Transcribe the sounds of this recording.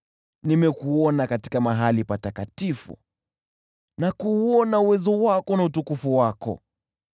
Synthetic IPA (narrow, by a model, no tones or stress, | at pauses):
nimɛkuɔnakati̥kamaɦalipatakatifṵ | nakuːɔnauwɛzɔwakɔnautukufuwakɔ̰